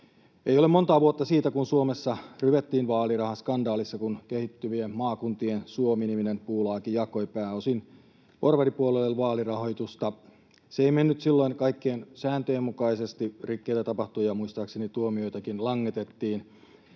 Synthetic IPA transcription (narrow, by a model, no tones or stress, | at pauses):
eijolemont̪ɑːʋuot̪ːɑsiːt̪ækunsuomesːɑryʋet̪ːiːnʋɑːlirɑhɑskɑndɑːlisːɑkunkehit̪ːyʋiemmɑːkunt̪iensuominiminenpuːlɑːkijɑkoipæːosin | porʋeripuolelelʋɑːlirɑhojt̪ust̪ɑ | seeimenːyt̪silːo̞iŋkɑikːeːnsæːnt̪øjemːukɑisest̪irikːeit̪æt̪ɑpɑht̪ujɑmuist̪ɑːksenit̪uomiojt̪ækinlɑŋːet̪et̪ːiːn